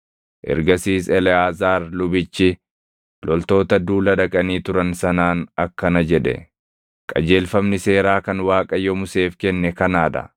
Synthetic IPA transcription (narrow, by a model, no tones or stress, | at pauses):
ʔɛ̰ɾɡɐsiːsɛlɛaːzaːɾlʊbɪt͡ʃːɪ | lɔlt̪o̞ːt̪ɐd̪uːlɐᶑɐkʼɐniːt̪ʊɾɐnsɐnaːnɐkːɐnɐd͡ʒɛᶑɛ̰ | kʼɐ̰d͡ʒe̞ːlfɐmnɪse̞ːɾaːkɐnwaːkʼɐjːɔmʊse̞ːfkɛnːɛkɐnaːd̪ɐ̰